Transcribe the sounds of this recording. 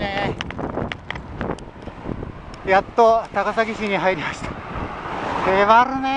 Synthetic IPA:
jat̪ːot̪akasaɡʲiɕiɲ̟iɦaiɾʲimaɕi̥t̪ḁ | heːβaɾɯne

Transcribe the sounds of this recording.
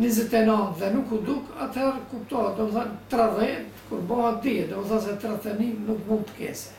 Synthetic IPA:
nizɛt̪ɛnant̪ðɛnukud̪ukat̪hɛɾkup̚t̪ɔat̪̚d̪ɔmɛθant̪ɾarɛt̪kuɾbɔhat̪̚d̪iɛd̪ɔmɛθas̬ɛt̪ɾat̪ɛninukmupkɛ̰s

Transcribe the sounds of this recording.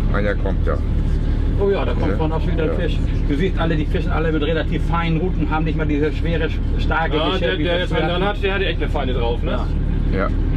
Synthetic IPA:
ʔa̰ɪnɐkʰɔmtʰja̰ː | ʔoːjaːdaːkʰɔmtmanaʊxʃviːdɐfɪʃ | d̥uːziːstʔalədiːfɪʃn̩ʔaləmɪtʁelatʰiːfaɪnənʁuːtn̩ɦaːbm̩nɪçtmaːɐdiːzəʃv̥eːʁə | ʃtaɐkə | ʃɛɐvideːjɛsɛanhatd̥eɐhatːɛçtnəfaɪnədʁaʊfnəaː | ja̰

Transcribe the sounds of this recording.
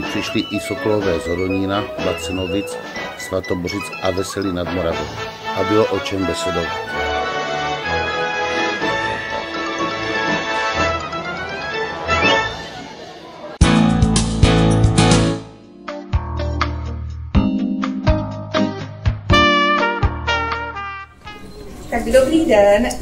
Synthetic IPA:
pr̥iʃliʔisoklovɛːzɦoɾoɲiːnabat͡sɛnovɪt͡s | svat̪oborɪt͡sʔavɛsɛlinad̪moɾavɛm | ʔabɪloʔot͡ʃɛmbɛsɛdov | t̪adobniːdɛn

